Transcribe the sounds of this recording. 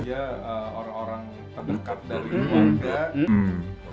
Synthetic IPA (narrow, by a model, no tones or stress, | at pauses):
aəoɾaŋoɾaŋ | t̪əbəkat̪̚daɾiika